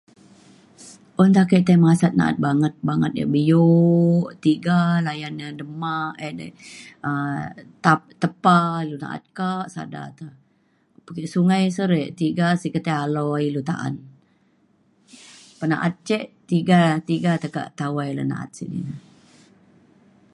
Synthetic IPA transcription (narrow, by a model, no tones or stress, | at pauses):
ʔont̪akəʔt̪əmasat̪̚na̰ʔa̰t̪̚baŋət̪̚baŋət̪̚ja̰ʔbəjoʔt̪iɡalajanədəmaedə̰ət̪at̪əpailuna̰ʔa̰t̪̚kaʔsa̰da̰t̪ə | pəkəʔsuŋajsəɾeʔt̪iɡasikət̪aalɔilut̪a̰ʔa̰n | pəna̰ʔat̪̚t͡ʃɛʔt̪iɡat̪iɡat̪əka̰ʔt̪awajlə̰na̰ʔa̰t̪̚sḭdḭnə